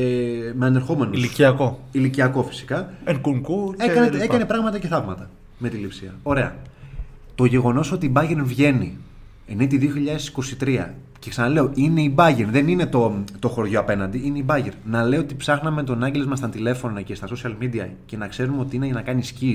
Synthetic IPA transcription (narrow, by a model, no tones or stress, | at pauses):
emeɐne̞ɾxo̞me̞nolsiiɐkoiliciɐko̞fi̥si̥kɐeŋkuŋkueɐneekɐne̞pɾɐɣmɐt̪ɐce̞θɐvmɐt̪ɐ | me̞t̪ilipsiɐ̰o̞ɾe̞ɐ̰ | t̪o̞ʝe̞ɣo̞no̞so̞t̪iːbɐʝeɾvʝe̞ni | enet̪iðioçiʎɐðe̞si̥ko̞sit̪ɾiɐ̰ | ceksɐnɐle̞oʔine̞ibɐʝeɾðe̞nine̞t̪o̞t̪o̞xo̞ɾðʝoɐpe̞nɐnd̪iineibɐʝeɾnɐle̞o̞t̪ipsɐxnɐme̞t̪onɐɲɟelo̞zmɐst̪ɐnt̪ile̞fo̞noce̞st̪ɐso̞siɐlmid̪iɐ̰ce̞nɐkse̞ɾumo̞t̪iineʝɐnɐkɐniscis